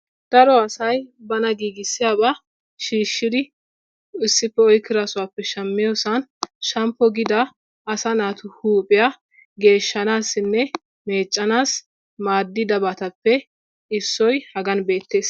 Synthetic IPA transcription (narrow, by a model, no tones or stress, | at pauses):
d̪̥ɐɾɔɐsɐjbɐnɐɡiːɡɪsːɪjaːba | ʃiːʃːɪd̪ɪ | ɪsːɪpːɛɔjkːɪɾasʊwaːpːɛʃɐmːɪjoːsɐnʃɐmpːɔɡɪd̪ɐː | sɐnaːt̪ʊhuːpʼɪja | ɡe̞ːʃːɐnaːsːɪnːɛ | me̞ːt͡ʃʼːɐnaːs | maːd̪ːɪd̪ɐbɐt̪ɐpːɛ | ɪsːɔjhɐɡɐnbe̞ːt̪ːe̞ːs